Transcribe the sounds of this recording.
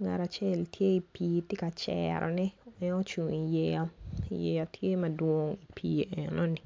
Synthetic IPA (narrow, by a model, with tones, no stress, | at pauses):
ŋa̰˨ɾa˨t͡ʃe˦˨ltʰje˦i˨piː˨tɪ˦ka˨t͡ʃɛ̰ɾɔ̰˨nɛ˦ɛ˦no˦t͡ʃu˨ŋi˨jɛ˨ja˦ijɛ̰˨ja˨tʰje˦mɐ˨dwo˦ŋi˨pʰiː˨ʔɛ˨no˦ni˨